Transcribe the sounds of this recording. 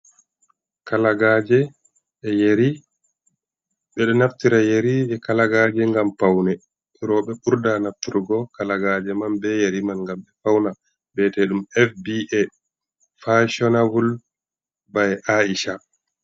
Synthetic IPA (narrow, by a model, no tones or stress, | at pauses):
kalaɡad͡ʒɛ | ɛjeɾi | ɓɛɗɔnaft̪iɾajeɾiʔɛkalaɡad͡ʒɛŋɡampawnɛ | ɾɔɓɛɓuɾdanaft̪iɾɡɔkalaɡad͡ʒɛmanbɛjeɾimanŋɡamɓɛfawna | bɛtɛɗumɛfbiɛ | faʃɔnavul | bajɛʔaiʃa